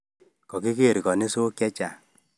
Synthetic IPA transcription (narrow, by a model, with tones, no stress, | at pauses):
kɔ˨ki˦ke˦˨ɾi˨kɔ˨ni˦so˦kjɛ˦t͡ʃa˨